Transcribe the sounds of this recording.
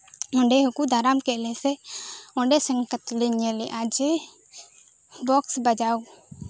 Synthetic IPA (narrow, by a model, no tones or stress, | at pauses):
ɔ̃ɳɖeɦukud̪ʱaɾamkɛʔlɛsɛɔ̃ɳɖɛsəŋkət̪lɛɲɛlɛʔad͡ʒe | bɔksbəd͡ʒau